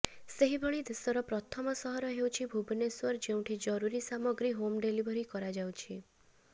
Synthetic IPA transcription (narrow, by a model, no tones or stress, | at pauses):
seɦibʱɔɭ̃id̪esɔɾɔpɾɔt̪ʰɔmɔsɔɦɔɾɔɦewt͡ʃʰibʱubneswɔɾd͡ʒew̃ʈʰid͡ʒɔɾuɾisamɔɡɾiɦomɖelibʱɔɾikɔɾad͡ʒawt͡ʃʰi